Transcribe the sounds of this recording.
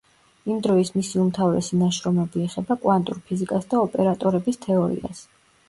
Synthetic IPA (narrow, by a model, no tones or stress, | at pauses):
imd̪ɾɔismisiumt̪ʰavɾɛ̰sinaʃɾɔmɛbiɛχɛbakʼwant̪ʼṵɾpʰizikʼasd̪aɔpʼɛɾat̪ʼɔɾɛbist̪ʰɛɔɾḭa̰s